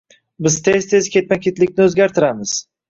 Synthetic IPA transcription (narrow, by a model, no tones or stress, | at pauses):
bɪzt̪ʰezt̪ʰe̞zkʲe̞t̪̚makʲet̪lɪk̚ʲnɪɵzɡʲaɾt̪ʰɪɾamɪz̥